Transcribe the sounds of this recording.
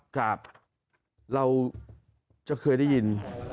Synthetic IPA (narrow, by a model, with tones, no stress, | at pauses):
kaː˨˩p̚ | ɾa˧w | t͡ɕa˨˩ʔkʰɤː˧jda˥˩ji˧n